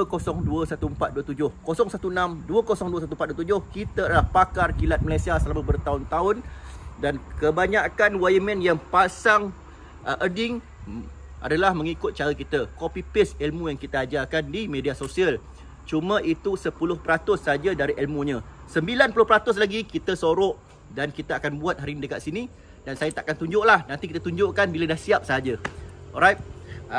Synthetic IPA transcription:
əkosɔŋduəsat̪uəmpat̪̚duət̪ud͡ʒʊhkosɔŋsat̪unãmduəkosɔŋduəsat̪umpat̪̚duət̪ud͡ʒʊhkit̪aadalahpakarkilat̪̚məlajsiasəlamabərt̪aʊnt̪aʊndankəbaɲakanwajəmɛ̃njaŋpasaŋ | ʔədɪŋ | ʔa̰dalahmə̃ŋikʊt̪̚t͡ʃaɾəkit̪akopipɪsɛlmũjaŋkit̪aːd͡ʒakandimẽdiasosiəl | t͡ʃumãʔit̪usəpulʊhpəɾat̪ʊsːaad͡ʒadaɾiʔɛlmũɲãsəmbilanpulʊhpəɾat̪ʊs̬laɡikit̪əsoɾɔʔ | dankit̪aakanbuat̪̚ɦaɾinidəka̰t̪̚sini | dansajat̪aʔkant̪uɲd͡ʒʊʔlahnãnt̪ikit̪at̪uɲd͡ʒʊʔkanbiladahsiap̚saad͡ʒaɔɾajt̪̚

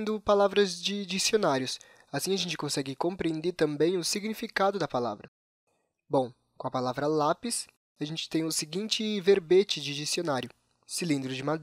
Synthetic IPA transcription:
d̪ʊpalavɾɐzd͡ʒɪd͡ʒisionaɾjʊs | asĩɐʒẽnt͡ʃɪ̥kõsɛɡɪkõmpɾiẽnd̪eɾt̪ɐ̃mbẽj̃ʊsiɡnifikad̪ʊd̪ɐpala̰vɾɐ | bõw̃ | kõɐpalavɾɐlapɪs | aʒẽnt͡ʃɪ̥t̪ẽj̃ʊsɪɡĩnt͡ʃɪveɾbet͡ʃɪd͡ʒɪd͡ʒisionaɾjʊ | silĩnd̪ɾʊd͡ʒɪmad̪

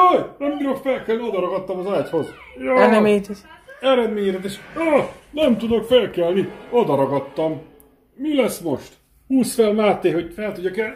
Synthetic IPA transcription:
ojnɛmiɾokfɛlkɛlnio̞d̪ɒɾɒɡɒt̪ːɒmɒzaːjt̪ho̞z | joːɛnɛmɛt̪iɛɾɛd̪meːɲɛɾɛt̪eʃɒnɛmt̪ud̪okfɛlkɛlniod̪ɒɾɒɡɒt̪ːɒmː | ilɛsmo̞ʃt̪ | huːsfɛlmaːt̪ːeːho̞ɟfɛlt̪uɟɒkɛ

